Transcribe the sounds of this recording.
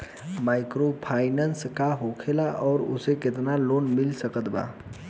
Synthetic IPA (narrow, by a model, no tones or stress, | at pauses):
maːɪkɾopʰaːɪnənskaɦokʰelaʔɔːɾʊ̰sekɪt̪naloːnmɪlsəkət̪ba̰ː